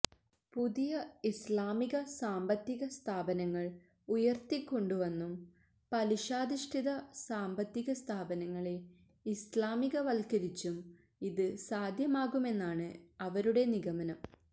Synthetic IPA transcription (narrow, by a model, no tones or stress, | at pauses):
puðijɐislaːmiɣɐsaːmbɐt̪ːiɣɐst̪ʰaːbɐnɐŋːɐɭ | ujɐrt̪ikʲːo̞ɳɖuʋɐnːum | pɐliʂaːd̪iʂʈʰiðɐsaːmbɐt̪ːiɣɐst̪ʰaːbɐnɐŋːɐɭe̞ | islaːmiɣɐʋɐlkɐɾit͡ɕːum | iðɨsaːd̪ʱjɐmaːɣume̞nːaːɳɨɐʋɐɾuɽe̞niɣɐmɐnɐm